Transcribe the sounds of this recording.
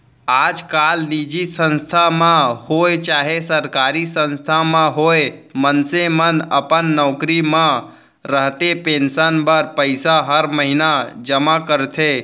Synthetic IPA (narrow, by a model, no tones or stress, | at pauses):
ad͡ʒkalnid͡ʒisə̃nst̪ʰamãhoet͡ʃaɦesəɾkaɾisə̃nst̪ʰamãɦoemənsemənəpənːɔʊkɾimã | ɾəɦt̪epẽnsənbəɾpəɪsaɦəɾməɦinad͡ʒəmakəɾt̪ʰe